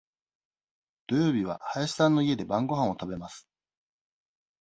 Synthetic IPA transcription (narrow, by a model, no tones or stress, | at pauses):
d̪̥o̞jo̞ːbʲiβa̰haeɕi̥sãnːo̞ie̞d̪e̞bãŋɡo̞ɦãɰ̃o̞t̪abe̞masɨ̥